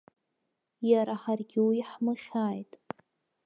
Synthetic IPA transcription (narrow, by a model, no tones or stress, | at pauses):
jaɾaħarɡʲɪwiħmɨχʲaːjtʼ